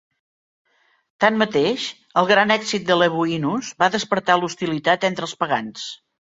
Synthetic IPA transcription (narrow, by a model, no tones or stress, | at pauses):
t̪anmət̪eʃ | əlˠɣɾanɛkzit̪̚d̪ələβ̞uinuzβaðəspəɾt̪alust̪ilit̪at̪ɛnt̪ɾəlˠspəɣans